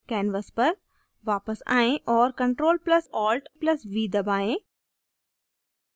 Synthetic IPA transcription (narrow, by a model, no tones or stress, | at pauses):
kɛːnʋəspɐɾ | ʋaːpəsa̰ːẽʔɔːɾkɐ̃ɳʈɾoːlplɐsɔːlʈplɐsʋiːd̪ɐbaːẽː